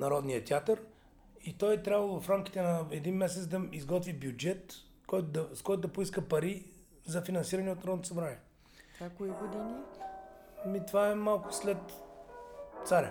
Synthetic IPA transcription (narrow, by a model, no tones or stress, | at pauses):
nɐɾɔd̪niət̪ʲjat̪əɾ | it̪ɔjɛt̪ɾʲabvəlˠvfɾamkʲi̥t̪ɛnɐɛd̪inmɛsɛt̪d̪ɐizɡɔt̪vibjud͡ʒɛt̪ | kɔjt̪ʊd̪ɐskɔjt̪ʊd̪ɐpoiskəpɐɾi | zɐfinɐnsiɾɐnɛot̪nɐɾɔd̪nt̪osɐbɾanʲiɛ | akoiɡod̪ini | mit̪vaɛmalˠkʊ̥slɛt̪ | t̪saɾʲə̰